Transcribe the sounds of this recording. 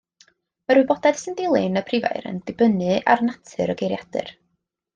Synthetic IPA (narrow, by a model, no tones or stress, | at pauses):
maɾwɪbɔdɛd̥səndɪlˠɪnəpʰrɪva̰ɨɾə̰ndɪbənɨʔa̰rnatʰɨ̰ɾəɡejɾjad̥ɨ̰r